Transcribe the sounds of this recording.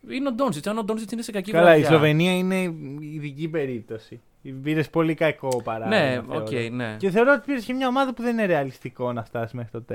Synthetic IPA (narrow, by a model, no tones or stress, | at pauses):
ineod̪onsit͡s̪ɐnond̪onsit͡sinesekɐcikɐlɐizlo̞ve̞niɐine̞iðicipe̞ɾip̚t̪o̞si | piɾe̞spo̞likɐko̞pɐɾɐneeo̰oejneceθe̞o̞ɾoot̪ipiɾescemɲɐomɐðɐpuðe̞nineɾeɐlist̪iko̞nɐst̪ɐsi̥zmexɾit̪o̞t̪e